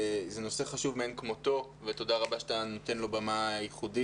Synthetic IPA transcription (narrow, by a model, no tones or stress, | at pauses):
zeno̞seχaʃuvmeenkmo̞t̪o̞ | vet̪o̞daʁabaʃat̪anot̪e̞nlo̞bamajiχudi